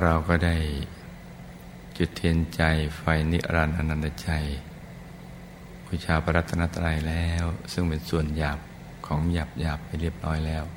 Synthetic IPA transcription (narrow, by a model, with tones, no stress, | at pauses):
ɾa˧wkɔː˥˩da˥˩j | t͡ɕu˨˩t̪ʰːhi˧ənt͡ɕa˧jfa˧jnḭ˦˥ʔɾa˧nʔa̰˧nːa˧˩na˧t͡ɕa˧j | pʰuː˧˩t͡ɕʰaː˧pʰa˧ɾa˦˥t̪ʰːa˧na˦˥t̪ʰːa˧ɾa˧jlɛː˦˥˦wsɯ˥˩ŋpe˧nsu˨˩ənjaː˨˩p̚ | kʰɔː˩˦ŋjaː˨˩p̚jaː˨˩pːa˧jɾi˥˩əp̚nɔː˦˥˩jlɛː˦˥˩w